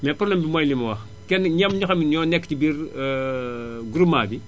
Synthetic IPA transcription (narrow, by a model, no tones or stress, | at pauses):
mɛpɾoblɛmbimojlimɐwɐx | kɛnɲɐmɲɔxɐmiɲɔnɛkːtibiɾ | ɡuɾumaːbi